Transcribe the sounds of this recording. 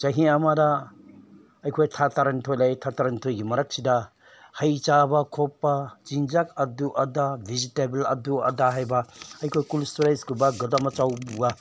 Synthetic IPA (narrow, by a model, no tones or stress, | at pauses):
t͡ʃɐɦiamada | ɐjkʰojtʰatʰaɾanitʰojlajtʰataɾɐnitʰojɡimɐɾak̚sidɐ | hɐjt͡ʃabɐkʰɔpːazinzakɐduʔɐdabʱizitebelɐ̰duɐ̰daɦajbɐɐjkʰojkulstuɾajsɡubaɡɐdamɐt͡ʃawbuɡa